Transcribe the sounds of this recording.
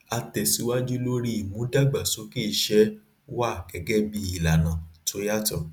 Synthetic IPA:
a˧tɛ˨si˨˦wa˦d͡ʒu˦lo˦ɾi˦i˨mũ˨˦da˦˨ɡ͡ba˨so˨˦ki˦˨ʃɛ˦ | wa˦˨ɡ̥ɛ˨˦ɡɛ˦bi˦i˨la˨nã˨to˨˦ja˦tɔ˦˨

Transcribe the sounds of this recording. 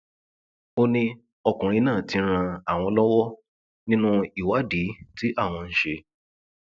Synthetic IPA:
o˦nĩ˧ | ɔ˧kũ˨ɾ̃ĩ˧nãː˦˨ti˧˦ɾ̃ã˧a˨w̃ɔ̃˧lɔ˦wɔ˦ | nĩ˦nũ˦i˦˨wa˨˦di˨˦ti˦ʔa˦˨w̃ɔ̃˧n̩˦ʃe˧

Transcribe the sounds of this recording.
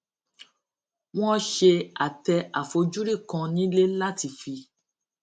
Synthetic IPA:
w̃ɔ̃˦ʃe˧a˨tɛ˧a˨fo˧d͡ʒu˦ɾi˦˨kã˧nĩ˦le˦la˦˨ti˧˨fi˧

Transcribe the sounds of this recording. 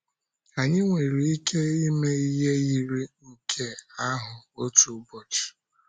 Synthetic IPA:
a˨ɲɪ˦ŋʷe˨ɾi˨i˦kʰe˦i˦me˦i˦ɦe˦ji˦ɾi˦ŋ̩˨kʰe˦a˦ɦʊ˨o˦tu˨˦bɔ˦˨t͡ʃ

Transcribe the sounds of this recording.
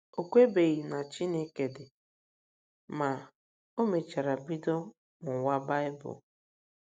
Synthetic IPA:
o˨kʷe˦be˨ɣi˨na˨t͡ʃi˦ne˦ke˨dɪ˨ | ma˨ | o˦me˨t͡ʃa˨ɾa˨bi˦do˦ | ŋʊ˨wa˦ba˦ɪ˦bʊ̰˨

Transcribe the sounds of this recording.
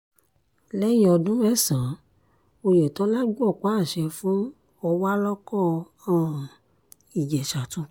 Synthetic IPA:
lɛ˦jĩ˦ɔ˧dũ˦ɾɛ˦˨sã˨ | o˧je˨tɔ̃˨˦la˦ɡ͡bɔ˦˨k͡pa˦˨ʃɛ˧fũ˦ | ɔ˧wa˦lɔ˦kɔ˦˨˧ | ã˦˨ | i˨d͡ʒɛ˨ʃa˨tũ˧˦

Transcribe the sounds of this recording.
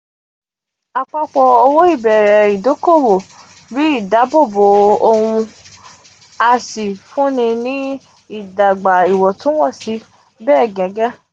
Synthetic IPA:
a˧k͡pa˦k͡pɔ˧o˧wo˦i˦˨bɛ˨ɾɛ˨i˨do˨˦ko˦˨wo˨ | ɾi˨˦i˦˨da˨˦bo˦˨bo˨o˧hũ˧ | a˧si˨fũ˦nĩ˧nĩ˦ | i˦˨da˨ɡ͡ba˨i˨wɔ˨tũ˦wɔ˦˨si˨˧˦ | bɛː˦˨ɡɛ̃˨˦ɡɛ˦

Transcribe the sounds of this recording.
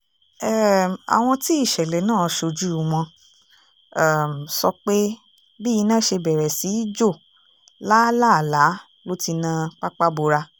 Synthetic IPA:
ɛ˦˨a̰˨w̃ɔ̃˧ti˦i˦˨ʃɛ˨lɛ˨nãː˦˨˧ʃo˧d͡ʒu˦˨w̃ɔ̃˧˨ | m̩˨sɔ˧k͡pe˦ | bi˦i˧nãː˦˨ʃe˧bɛ˨ɾɛ˨si˨˦i˦d͡ʒo˦˨ | la˦la˦˨la˨˦ | lo˦ti˧nã˧˦k͡pa˦k͡pa˦bo˧ɾa˧

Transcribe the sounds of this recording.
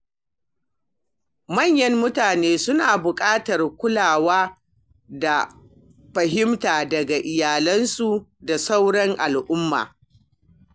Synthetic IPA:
mɐ˦˨ɲjɐ˦mːʊ˦taː˨neː˦sʊ˦naː˨bʊ˨kʼaː˦tɐ˨rkʷʊ˦laː˨waː˦ | da˨ | ɸɐ˨ɦɪ˦mtaː˨dɐ˨ɡa˨ʔɪ˨jaː˨lɐ˦nsu˦da˨sa˦wɽɐ˦ŋʔa˨lʔʊ˦mːa̰ː˨

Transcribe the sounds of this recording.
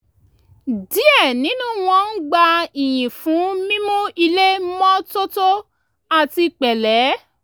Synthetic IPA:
di˨˦ɛ˦˨nĩ˨˦nũ˦w̃ɔ̃˧n̩˦ɡ͡ba˧i˨j̃ĩ˨fũ˨˦mĩ˦mũ˦i˧le˦mɔ̃˦to˦to˦ | a˨ti˧k͡pɛ˨lɛ˨˦

